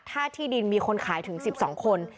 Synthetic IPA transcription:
t̪ʰːaː˥˩t̪ʰiː˥˩di˧nmiː˧kʰo˧nkʰaː˩˦jt̪ʰɯ˨˩˦ŋsi˨˩p̚sɔ̰ː˩˦ŋkʰo˧n

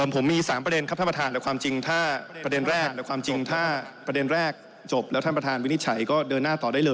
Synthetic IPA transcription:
ɤː˧˩mpʰo˩˦mːiː˧saː˩˦mpɾa˧de˧nkʰa˦˥pt̪ʰpa˧t̪ʰaː˧lɛ˨˦˥kʰwaː˧mt͡ɕi˧ŋt̪ʰaː˥˩pɾa˧de˧nɾɛː˥˩klɛ˨˦˥kʰwaː˧mt͡ɕi˧ŋt̪ʰaː˥˩pɾa˧de˧nɾɛː˥˩k̚ | t͡ɕo˨˩p̚lɛː˦˥t̪ʰa˥˩pɾa˧t̪ʰaː˧nwi˥ni˥t̪̚t͡ɕʰa˩˦jkɔː˥˩dɤː˧nːaː˥˩t̪ɔː˨˩daː˥˩jlɤː˧

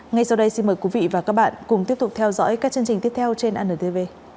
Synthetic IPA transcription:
ŋa˧jsa˧wɗə˧jsi˧nməː˨˩jkwi˨˦vḭ˧˨vaː˨˩kaː˦˥k̚ɓa̰ː˧˨nkʊ˨˩ŋ͡mt̪i˦˥əp̚t̪ʊ˨˩k͡p̚t̪ʰɛ˧wzɔ̰˧˥jkaː˦˥k̚t͡ɕɨ˧əŋt͡ɕï˨˩ŋ˦˥əpt̪ʰɛ˧wt͡ɕe˧nʔaː˧nəː˨˩t̪e˧ve˧

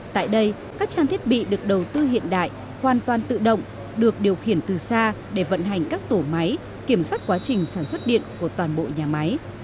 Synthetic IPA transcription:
t̪a̰ː˧˨jɗə˧j | kaː˦˥k̚t͡ɕaː˧nt̪ʰi˦˥ət̚ɓḭ˧˨ɗɨ˨˩ək̚ɗə˨˩wt̪ɨ˧ɦḭ˧˨ənɗa̰ː˧˨j | hwaː˨˩nt̪waː˨˩nt̪ɨ̰˧˨ɗə̰˧˨wŋ͡m | ɗɨ˨˩ək̚ɗi˨˩əwxi˧˩ənt̪ɨ˨˩saː˧ | ɗe˧˩və̰˧˨nɦa˨˩jŋ̟kaː˦˥k̚t̪o˧˩ma˨˦j | ki˧˩əmswaː˦˥t̚kwaː˨˦t͡ɕï˨˩ŋ̟saː˧˩nswə˦˥t̚ɗḭ˧˨ənku˧˩ət̪waː˨˩nɓo̰˧˨ɲaː˨˩ma˨˦j

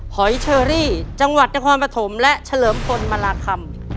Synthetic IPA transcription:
hɔ˩˦jt͡ɕʰɤː˧ɾiː˥˩t͡ɕa˧ŋwa˨˩t̪̚na˧jkʰaː˧npɾa˧t̪ʰo˩˦mlɛ˦˥ʔt͡ɕʰa˧lɤː˩˦mpʰo˧nma˧laː˧kʰa˧m

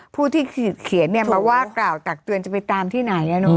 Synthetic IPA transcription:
pʰuː˥˩t̪ʰiː˥˩˨kʰi˨˩˦ənːi˥˩paː˧˩waː˥˩klaː˨˩wt̪a˨˩k̚t̪ɯ˧ənt͡ɕa˨˩pa˧jt̪aː˧mt̪ʰiː˥˩na˩˦jʔa˧no˦˧˦

